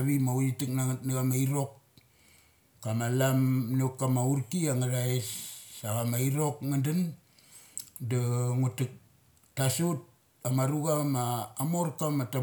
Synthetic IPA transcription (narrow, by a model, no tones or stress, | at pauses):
βimaujitik̚natnaɣamaiɾo̞k | amalamnukːamauɾkiaŋaɾaesːaɣamaiɾo̞kŋandan | daŋutuk̚ | tasut̚ | amaɾuɡamaːmoɾkamata